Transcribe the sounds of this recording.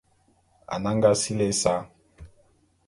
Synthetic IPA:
a̰˨na˦ŋɡa˦si˦lɛ˦sa˦

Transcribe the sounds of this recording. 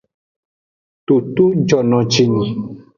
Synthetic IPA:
t̪o˨t̪u˦d͡ʒɔ˨nɔ̃˨d͡ʒi˨nĩ˨

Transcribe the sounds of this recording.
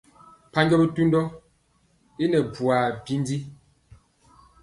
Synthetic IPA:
pa˦ɲɟɔ˦bi˦tu˦n˦dɔ˦ | i˦nɛ˨bwa˨bi˦n˦di˦

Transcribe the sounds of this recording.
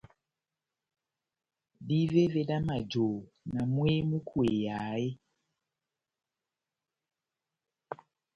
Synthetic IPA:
di˦ve˦ve˦da˦ma˨d͡ʒo˨ | nã˨mwe˦mũ˦kʰu˨e˨ja˨˦je˦

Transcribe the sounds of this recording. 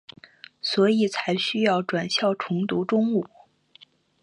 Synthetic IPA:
swɔ˧˥i˨˩t͡sʰa˧˥ɪɕy˥jɑ˥˩ʊʈ͡ʂwa˨˩nɕjɑ˥˩ʊʈ͡ʂʰʊ˧˥ŋt̪u˧˥ʈ͡ʂʊ˥ŋu˨˩˦

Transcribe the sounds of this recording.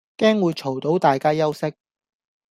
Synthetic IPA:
kɛː˥ŋwuː˨˧jt͡ʃʰo˨˩wt̪o˨˥wt̪aː˨jkaː˥jɐ˥wsɪ˥k̚

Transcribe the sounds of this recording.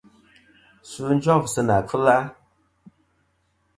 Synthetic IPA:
sɨ˦n˦d͡ʒɔ˦˨ksɨ˦na˨kɨ˦la˦

